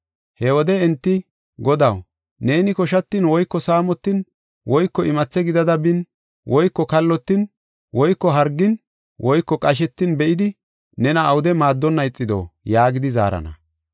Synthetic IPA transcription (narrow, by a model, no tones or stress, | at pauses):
hɛwɔd̪ɛɛnt̪ːɪ | ɡɔd̪ɐw | ne̞ːnɪkɔʃɐt̪ːɪnwɔjkːɔsaːmɔt̪ːɪn | wɔjkːɔʔɪmɐt͡sːɛɡɪd̪ɐd̪ɐbɪn | wʔɔjkːɔkɐlːɔt̪ːɪn | wɔjkːɔɦɐɾɡːɪn | wʔɔjkːɔkʼɐʃ̬ɛt̪ːɪnbɛʔɪd̪ɪ | nɛnɐːwʊd̪ɛmaːd̪ːɔnːɐjt͡sʼːɪd̪o̰ːjaːɡɪd̪ɪza̰ːɾɐ̰nɐ̰